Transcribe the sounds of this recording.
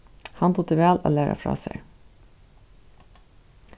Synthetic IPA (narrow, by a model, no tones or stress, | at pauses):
hɑnt̪ʊt̪ʰəʋæːlo̰ːlæːɾʔɑ̰fɾɑ̰ːsḛ